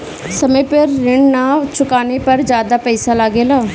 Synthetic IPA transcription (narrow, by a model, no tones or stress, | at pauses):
səmẽːpɪɾːɪɳnaːt͡ʃʰʊkaːneːpəɾd͡ʒjaːd̪aːpɛisaːlaːɡeːlaː